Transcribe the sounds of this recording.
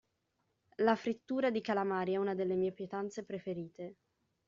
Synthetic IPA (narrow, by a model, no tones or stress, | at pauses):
lafɾit̪ːuːɾad̪ikalamaːɾjiɛuːnad̪elːemiːepjet̪ant̪sepɾefeɾiːt̪e